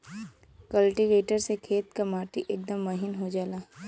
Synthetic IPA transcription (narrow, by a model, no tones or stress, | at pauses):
kəlʈiʋeːʈəɾsekʰeːt̪kɐmaːʈiʔeːk̚d̪əmːɐɦɪnɦod͡ʒaːlaː